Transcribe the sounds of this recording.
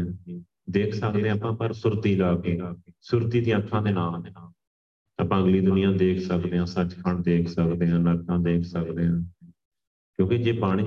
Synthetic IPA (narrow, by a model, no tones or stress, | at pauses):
d̪eːkʰsəkd̪eːãːpãːpəɾsʊɾt̪iːlaːkeːsʊɾt̪iːd̪ĩəkʰːãːd̪eːnaːlː | əpãːəɡliːd̪ʊnɪjãːd̪eːkʰsəkd̪eːɦãːsət͡ʃkʰəɳd̪eːkʰsəkd̪eːɦãːləɾkːãːd̪eːkʰsəkd̪eːɦãː | kjõːkɪd͡ʒeːpaːɽɪ